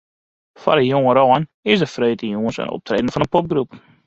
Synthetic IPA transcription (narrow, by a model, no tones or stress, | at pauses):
fa̰ɾəjʊŋəɾowənɪzəfɾœɥtəjɔŋəsə̰nɔ̰p̚tɾeːdən̩fɑnənpɔp̚ɡɾup